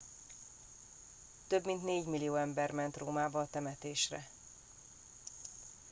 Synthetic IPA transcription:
t̪ø̞bmint̪neːɟmilijoːɛmbɛrmɛnt̪roːmaːbɒːt̪ɛmɛt̪eːʃrɛ̰

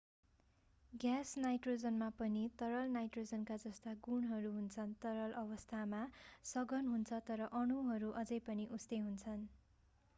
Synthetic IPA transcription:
ɡjasnajʈrod͡zʌnmapʌnit̪ʌɾʌlnajʈrod͡zʌnkad͡zʌst̪aɡunɦʌɾuɦunt͡sʰʌnt̪ʌɾʌlʔʌβʌst̪ʰamasʌɡʌnɦunt͡sʰʌt̪ʌɾʌʔʌɽ̃uɦʌɾuʔʌd͡zʌjpʌniʔust̪eɦunt͡sʰʌn

